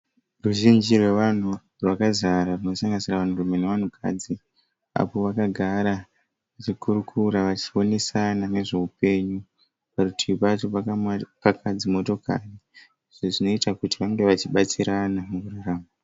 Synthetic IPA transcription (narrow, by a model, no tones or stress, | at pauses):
ruʒind͡ʒirwe̞ʋan̤u | rwakazaɾarino̞saŋɡanisiraʋan̤urume̞neʋan̤ukʰa̰d͡zi | a̰po̞ʋakaɡʱaɾa | at͡ʃikuɾukʰuɾaʋat͡ʃi̥o̞nesanane̞ʐe̞upe̞ːɲu | parutʰiɓatopakʰad͡zimo̞to̞ka̰ri | iʐo̞ʐino̞itakutiʋaŋɡe̞ʋat͡ʃiɓat͡siɾanamuuraraːma